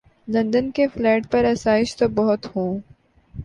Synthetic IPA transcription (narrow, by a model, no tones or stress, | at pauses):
lɐ̃nd̪ənkeflɛːʈpɐɾɐsaːɪʃt̪obɐɦʊt̪hõː